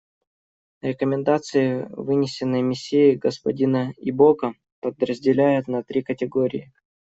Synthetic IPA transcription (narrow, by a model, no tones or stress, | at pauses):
ɾʲɪkəmʲɪnd̪at̪sɨjɪvɨnʲɪsʲɪnːɨjmʲɪsʲːejɪɡəspɐdʲinəibokə | pəd̪ɾəzʲdʲɪlʲæjʊt̪nɐt̪ɾʲikətʲɪɡoɾʲɪ̰ɪ